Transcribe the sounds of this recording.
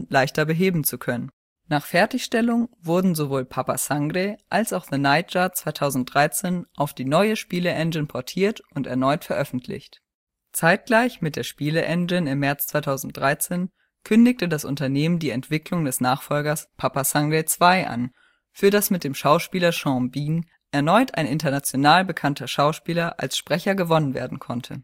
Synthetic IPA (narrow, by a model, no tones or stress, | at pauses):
laɪçtɐbəɦeːbm̩t͡sukʰœnən | naːχfɛɐtɪçʃtɛlʊŋvʊɐdn̩zovoːlpʰapasaŋɡʁeʔalsaʊxð̥ənaɪt̚d͡ʒ̥at͡sv̥aɪtʰaʊzn̩t̚d̥ʁaɪt͡seːnʔaʊfd̥iːnɔʏəʃpiːləʔɛnd͡ʒɪnpʰɔɐtʰiːɐtʔʊntɛɐnɔʏtfɛɐʔœfn̩tʰlɪ̰çt | t͡saɪt̚ɡ̥laɪçmɪt̚d̥eːɐʃpiːləʔɛnd͡ʒɪnɪmːɛɐt͡st͡sv̥aɪtʰaʊzn̩t̚d̥ʁaɪt͡seːn | kʰʏndɪçtədasʔʊ̰ntɐneːməndiːɛntv̥ɪklʊŋdɛsnaːχfɔlɡɐspʰapasaŋɡet͡sv̥aɪʔa̰n | fyːɐdasmɪt̚d̥eːmʃaʊʃpiːlɐʃɑ̃biːn | ʔɛɐnɔʏta̰ɪnɪntɐnat͡sjonaːlbəkʰantʰɐʃaʊʃpiːlɐʔa̰lsʃpʁ̥ɛçɐɡəvɔnənvḛːɐdn̩kʰɔntʰə̰